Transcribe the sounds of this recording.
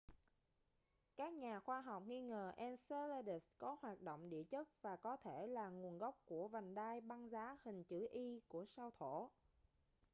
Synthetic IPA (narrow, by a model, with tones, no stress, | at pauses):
kaː˦˥k̚ɲaː˨˩xwaː˧ɦa˨˩wk͡p̚ŋi˧ŋəː˨˩ʔɛ˧nse˧la˧ɗi˨˩skɔ˨˦hwaː˨˩t̚ɗo̰˧˨wŋ͡mɗḭ˧˨ət͡ɕə˦˥t̚vaː˨˩kɔ˨˦t̪ʰe˧˩laː˨˩ŋu˨˩ənɣɔ˦˥wk͡p̚ku˧˩əva˨˩ŋ̟ɗaː˧jɓa˧ŋzaː˨˦hï˨˩ŋ̟t͡ɕɨ˧˩ʔi˧ku˧˩əsa˧wt̪ʰo˧˩˨